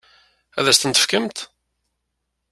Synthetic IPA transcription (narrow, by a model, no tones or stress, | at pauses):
æðæst̪ənt̪ə̥fkəmt̪